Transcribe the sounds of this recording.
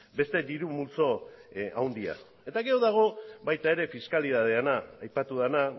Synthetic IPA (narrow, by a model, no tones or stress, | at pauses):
be̞st̪e̞d̪iɾumult͡so̞awnd̪ia̰ | e̞t̪aɣe̞oðaɣ̞o̞bajt̪ae̞ɾe̞fiskaliðað̞e̞anaːjpat̪uðena